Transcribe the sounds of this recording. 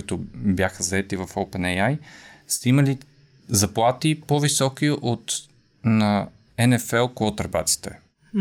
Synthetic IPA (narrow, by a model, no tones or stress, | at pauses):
it̪ʊbjaxəzɐɛt̪ivɐfopɛnɛjajst̪iməli | zɐplˠat̪ipovisɔkiʔot̪ | nɐ | ɛnɛfɛlˠkɔt̪əɾba̰t̪si̥t̪ɛ